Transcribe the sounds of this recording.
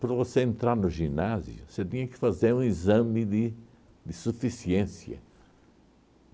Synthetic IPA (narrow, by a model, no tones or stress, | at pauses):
pɾɐvoseẽnt̪ɾaɾnʊʒinazjʊ̰set̪ĩɲɐkɪ̥fazeɾũizɐ̃mɪd̪ɪ | d̪ɪsufisiẽsjɐ̰